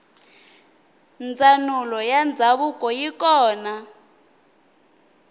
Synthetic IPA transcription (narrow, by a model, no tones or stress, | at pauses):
nd͡zʱanulɔjand͡zʱaβukʼɔjikɔːna